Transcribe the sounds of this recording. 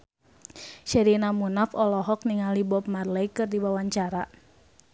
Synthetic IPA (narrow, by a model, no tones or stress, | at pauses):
ʃɛɾinamunafɔlɔɦɔk̚niŋalibɔpmarlɛjkɨrdibawaɲt͡ʃaɾa